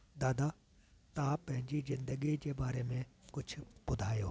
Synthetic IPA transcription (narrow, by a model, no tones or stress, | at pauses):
d̪aːd̪a | t̪ãːpɐ̃ɦɪ̃ɲd͡ʑizɪ̃nd̪əɡid͡ʑeːbaːɾemẽkʊt͡ɕʰʊbʊd̪ʱaːjo̰ː